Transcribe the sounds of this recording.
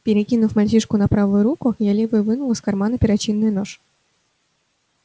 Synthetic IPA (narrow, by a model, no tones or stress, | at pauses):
pʲɪɾʲɪkʲinʊfmalʲt͡ɕiʂkʊnɐpɾavɨjʊɾukʊjalʲevɨvɨnʊlˠəsʲkarmanəpʲɪɾat͡ɕinːɨjʊnoʂ